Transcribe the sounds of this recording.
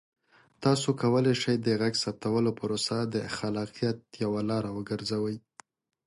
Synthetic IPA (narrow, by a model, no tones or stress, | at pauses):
t̪ɑsokawəlajʃəjd̪əɣaɡsap̚t̪awəlopəɾosad̪əxalɑqijat̪̚jawalɑɾawəɡəɾzawəj